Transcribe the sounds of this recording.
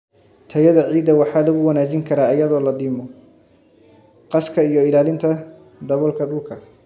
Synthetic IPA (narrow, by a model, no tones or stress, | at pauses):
t̪ʰɐjɐðɐʕiːd̪ːɐwɑħɑːlɐɣʊwɐnaːt͡ʃɪŋkʰɐɾaːɪjɐðɔːlɐɖiːmɔ | qɑskʰɐijɔɪlaːlɪnt̪ʰɐ | d̪ɐβɔlkʰɐɖʊlkʰɐ